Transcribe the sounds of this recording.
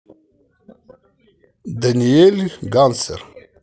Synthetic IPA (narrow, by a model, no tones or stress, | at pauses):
d̪ɐnijeliɡansə̰ɾ